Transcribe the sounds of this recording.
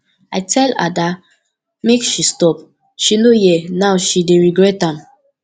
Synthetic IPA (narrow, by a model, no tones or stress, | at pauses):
aɪtʰɛla̰da | mekʃistɔp | ʃinojɛnaʊʃideɹiɡɹɛtãm